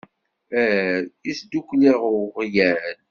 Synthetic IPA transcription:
æɾisd̪ukʷːliʁʁjæl

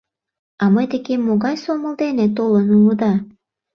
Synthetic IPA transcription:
ɑməjd̪ekemːoɣɑjsoməld̪enet̪olənuləd̪ɑ

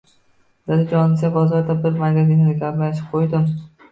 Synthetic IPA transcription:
d̪ad̪ɪd͡ʒɒnɪsabɒzɒɾd̪abɪɾmaɾɡʲazɪnɪd̪aɡʲablanɪʃɪ̥p̚qʰojd̪ɪm

